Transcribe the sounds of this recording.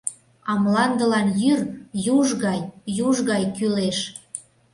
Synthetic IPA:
ɑmlɑnd̪əlɑnjyrjuʒɣɑjjuʒɣɑjkyleʃ

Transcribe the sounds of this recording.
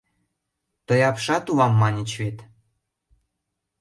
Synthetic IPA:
t̪ɤ̆jɑpʃɑt̪uβɑmːɑnʲit͡ɕβet̪

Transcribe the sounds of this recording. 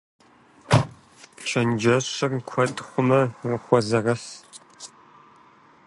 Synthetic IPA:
t͡ʃʰɐnd͡ʒɐɕɐrkʷʰɔtʼχʷʊmɐrɨχʷɔzɐrɐɬ

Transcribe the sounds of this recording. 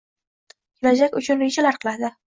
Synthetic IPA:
kʲʰɪlad͡ʒakʲʊt͡ʃʰʊnɾed͡ʒalaɾqʰɨlˠad̪ɪ

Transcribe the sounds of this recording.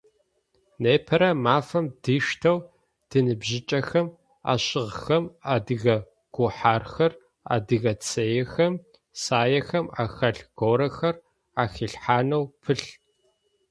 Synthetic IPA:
neːpʰɐɾɐmaːfɐmdiːʂtʰɐw | d̥ɨnɨbʑɪt͡ʃʼɐxɐm | a̰ːɕɪʁxɐmaːdɨɣɐ | ɡ̥ʷʊħaːrxɐr | a̰ːdɨɣɐt͡sʰɐjɛxɐm | saːjɐxɐma̰ːxɐɬɡ̥oːɾɐxɐr | aːxiːɬħaːnɐwpʰɨɬ

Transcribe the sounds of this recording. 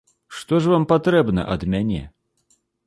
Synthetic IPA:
ʂt̪ɔʐvampat̪ɾɛbnɐ̰ʔɐd̪mʲanʲɛ̰

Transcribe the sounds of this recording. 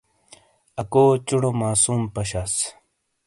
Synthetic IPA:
ɐkoːt͡ɕuɽomaːsuːmpɐɕas

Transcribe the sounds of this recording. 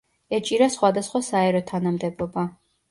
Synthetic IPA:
ɛt͡ʃʼiɾasχwad̪asχwasaɛɾɔt̪ʰanamd̪ɛbɔba

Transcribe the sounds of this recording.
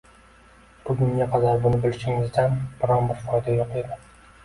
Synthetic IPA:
b̥ʊɡʲʊŋɡʲaqʰɑd̪aɾbʊnɪbɪlʃɪŋɪzd̪anbɪɾɒnbɪɾfɒjd̪ajoqed̪ɪ

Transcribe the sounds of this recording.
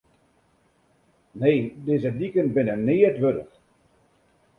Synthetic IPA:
neːdɪzətdikənbɪnənɪːətʋødə̰x

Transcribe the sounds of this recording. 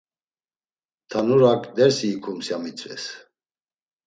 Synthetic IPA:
t̪ʰanuɾakʼd̪ɛɾsiːkʰumsjamit͡sʼvɛ̰s

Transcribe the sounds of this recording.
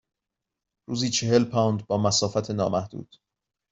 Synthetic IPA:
ɾuːziːt͡ʃʰe̞ɦe̞lpʰawnd̪̚bɒːmæsɒːfæt̪ʰenɒ̰ːmæhd̪ṵːd̪̥

